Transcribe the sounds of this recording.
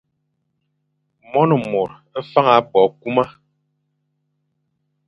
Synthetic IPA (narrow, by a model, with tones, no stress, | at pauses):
mɔ˦nɔ˨mo˨ɾ | ɛ˦fa˦ŋa˨˦bɔ˨k̚u˦ma˦